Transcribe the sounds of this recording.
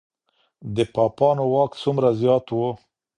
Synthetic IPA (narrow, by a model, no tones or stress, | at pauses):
d̪əpɑpɑnowɑkt͡sumɾazjɑt̪wo